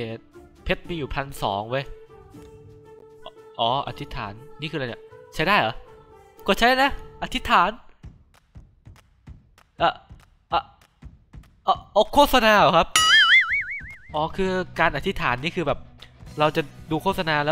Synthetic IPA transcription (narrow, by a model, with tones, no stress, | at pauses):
eː˨˩˦t̪̚ | pʰe˦˥t̪̚miː˧juː˨˩pʰa˧nsɔ̰ː˩˦ŋwəː˧j | ʔʔɔː˩˦ʔa̰˨˩t̪ʰi˦˥t̪ʰaː˩˦nːiː˥˩kʰɯː˧la˧njḭ˧˩t͡ɕʰa˦˥jdaː˥˩jʔɔ̰˨˦ | ku˨˩t͡ɕʰa˦˥jda˥˩na˦˥ʔa˧˩t̪ʰi˦˥t̪ʰːaː˩˦n | ʔaː˨˩ | ʔa˨˧˩ | ʔɔː˨˧˩ʔɔː˨˧˩kʰːoː˥˩t̪̚sa˧naː˧ʔɔ˨˩˦kʰa˦˥p̚ | ʔɔː˨˦kʰɯː˧kaː˧nʔa˨t̪ʰi˦˥t̪ʰaː˩˦nːiː˥˩kʰɯː˧bɛː˨˩p̚ɾa˧wt͡ɕa˨˩duː˧kʰoː˥˩t̪̚sa˧naː˧lɛː˦˥w